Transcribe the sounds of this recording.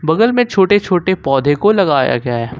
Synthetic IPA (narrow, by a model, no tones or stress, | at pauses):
bɐɡəlmẽt͡ʃʰoːʈet͡ʃʰoːʈepɔːd̪ʱekolɐɡaːja̰ɡjaɦɛː